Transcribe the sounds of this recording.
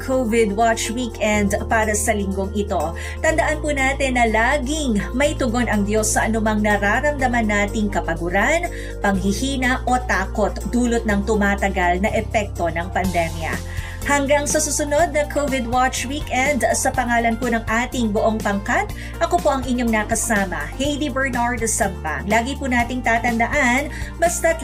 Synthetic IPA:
kʰovɪd̪wat͡ʃwikɛnd̪paːɾɐsɐlɪŋɡo̞ŋɪt̪o̞ | t̪ɐnd̪ɐʔanpunaːt̪ɛnːɐlaːɡɪŋmɐjt̪ʊɡo̞nɐŋd̪jo̞sːɐʔɐnʊmɐŋnɐɾaɾɐmd̪ɐmɐnːaːt̪ɪŋkɐpɐɡʊɾan | pɐŋhɪhiːnɐʔo̞t̪aːko̞t̪d̪uːlot̪̚nɐŋt̪ʊmaːt̪ɐɡalnɐʔɛpɛk̚t̪o̞nɐŋpɐnd̪ɛmjɐ̰ | hɐŋɡaŋsɐsusʊno̞d̪̚nɐŋkʰovɪd̪wat͡ʃwikɛnd̪sɐpɐŋaːlɐnpʊnɐŋʔaːt̪ɪŋboʔo̞ŋpɐŋkat̪̚ | ʔɐko̞po̞ʔɐŋɪɲjo̞ŋnɐkɐsaːmɐhɛjd̪ibɛɹnaɹd̪sɐmpa̰ŋlaːɡipunaːt̪ɪŋt̪aːt̪ɐnd̪ɐʔanbɐst̪ɐt̪

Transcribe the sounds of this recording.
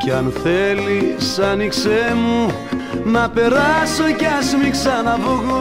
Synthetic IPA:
ceɐnθe̞lissɐniksemu | nɐpe̞ɾɐsoceɐsmiksɐnɐvoɣo

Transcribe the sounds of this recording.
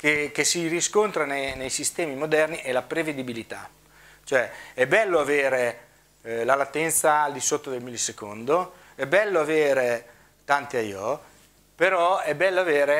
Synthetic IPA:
kekesiriskont̪ɾanenejsist̪ɛːmimod̪ɛrniʔelapɾeved̪ibilit̪a̰ | t͡ʃoɛɛbɛlːoaveːɾe | lalat̪ːɛnt̪saːld̪isot̪ːod̪elmilːsekond̪o | ɛbɛlːoaveːɾe | t̪ant̪eajɔ | peɾɔɛbɛlːoaveːɾe

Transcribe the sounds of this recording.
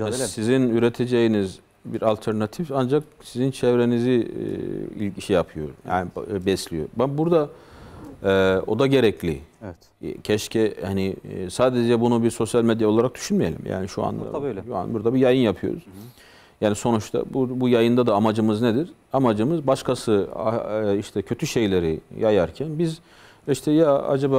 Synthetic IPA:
sizinyɾet̪ʰe̞d͡ʒejiniz | biɾalʲt̪ʰɛɾnat̪ʰifand͡ʒak̚sizint͡ʃʰɛvɾe̞nizḭ | ḭlʲiʃɛjapʰɯjoja̰ːnibbɛslʲijo̰babuɾd̪a | ɛːo̞d̪aɟe̞ɾɛclʲḭɛt̪cʰɛʃcʰɛhanisaːd̪ed͡ʒɛbunubiɾso̞sjalʲmed̪jao̞lˠaɾak̚d̪̥y̥ʃynmijelʲḭmja̰ːniʃua̰nd̪a̰ʃua̰nbuɾd̪abijajɯnjapʰɯjo̞̰ɾṵz̥ | jaːniso̞nut͡ʃt̪ʰa̰bubujajɯnd̪ad̪aːmad͡ʒɯmɯzned̪iɾamad͡ʒɯmɯzbaʃkʰasɯa̰iʃt̪ʰɛcʰø̞t̪ʰyʃejlʲe̞ɾijajaɾcʰænbiz | iʃt̪ʰɛjaa̰d͡ʒabaː

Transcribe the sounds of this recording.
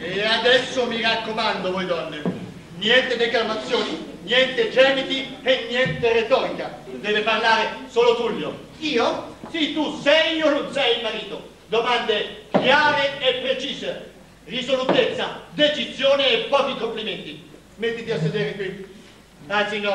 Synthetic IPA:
ead̪ɛsːomirakːomand̪ovɔjd̪ɔnːe | njɛnt̪ed̪eklamat̪sːjoːni | njɛnt̪ed͡ʒɛːmit̪ienːjɛnt̪eret̪ɔːɾikad̪ɛːveparlaːɾesoːlod̪uljo̰ | iːosit̪usɛjononsɛjilmaɾiːt̪o | d̪omand̪ekjaːɾeepːɾet͡ʃiːze | risolut̪et̪sːad̪et͡ʃizjoːneːpːɔːk̟ikompliment̪i | met̪ːit̪ias̬ːed̪eːɾekwi | ant̪sinɔ

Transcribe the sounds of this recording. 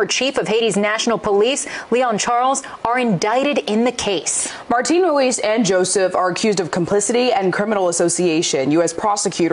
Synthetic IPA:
ə˞t͡ʃʰifʌv̥heɪɾiznæʃn̩l̩ˠpʰəlisliɑ̃nt͡ʃʰɑɹlˠz | ə˞ɨ̃ndaɪɾɨɾɪ̃nðɨkʰeɪs | mɑɹtʰĩnɹuisɨ̃nd͡ʒoʊsɨfə˞ɨkʰj̥ʉzdʌv̥kʰm̩pʰl̥ɪsɨɾiɨ̃nkʰɹ̥ɪ̃mənl̩ˠəsoʊsieɪʃɨ̃njʉɛspʰɹ̥ɑsɨkʰj̥ʉɾə

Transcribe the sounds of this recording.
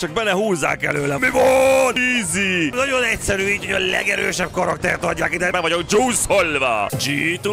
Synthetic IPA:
t͡ʃɒɡ̚bɛnːɛhuːzːa̰ːkɛ̰løːlɛmivoniːzinɒɟo̞nɛcsɛɾyːiːcojɒlɛ̰ɡɛɾø̰ːʃɛb̚kɒɾɒkt̪ɛ̰rt̪ɒɟːaːkid̪ɛmɛkvɒɟokd͡ʒoːsholva̰ːd͡ʒiːt̪u

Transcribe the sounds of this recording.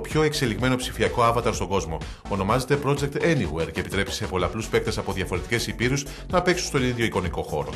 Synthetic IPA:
opço̞e̞kse̞liɣme̞no̞psifiɐko̞ɐvɐt̪ɐɾst̪oɡo̞zmo̞ | ono̞mɐze̞t̪e̞pɾo̞d͡ʒe̞k̚t̪eniweɾcepit̪ɾe̞pi̥sepoleɐpluspe̞k̚t̪e̞sɐpo̞ðʝɐfo̞ɾe̞t̪i̥ce̞sipiɾus | nɐpe̞ksu̥st̪oniðʝo̞iko̞niko̞xo̞̰ɾo̞̰

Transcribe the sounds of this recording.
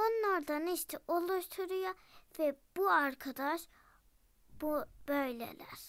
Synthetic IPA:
onlˠɑɾd̪ɑniʃt̪ʰɛʔolˠuʃt̪ʰuɾujɑvɛb̥uɑɾkʰɑd̪ɑʃ | b̥ub̥øjlæ̰læ̰ɾ̥

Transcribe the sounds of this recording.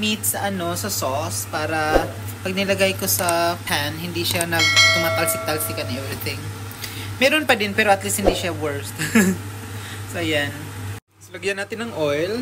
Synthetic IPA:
mit̪̚sɐʔɐno̞sɐsospaːɾɐ | pɐɡ̚nɪlɐɡajkosɐpʰanɦɪnd̪iʃanɐɡt̪ʊmat̪ːlsɪt̪alsɪkɐnʔɛvɾɪt̪ɪŋ | mɛːɾonpɐd̪ɪnpɛːɾoʔɐt̪list̪̚hɪnd̪iʃawɛɹst̪ | soʔɐjan | slɐɡjɐnːaːt̪ɪnːɐŋʔojl

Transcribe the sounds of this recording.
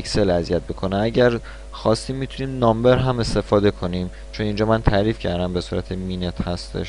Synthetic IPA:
cse̞læzijæt̪̚bekʰo̞neæɟæɾ | xɒst̪iːmːit̪ʰuniːmnɒmbeɾɦæme̞st̪e̞fɒːd̪e̞kʰo̞niːm | t͡ʃʰo̞nind͡ʒɒːmænt̪ʰæɾiːfcʰæɾd̪æmbe̞suːɾæ̰t̪ʰemiːnet̪ʰhæst̪ḛʃ

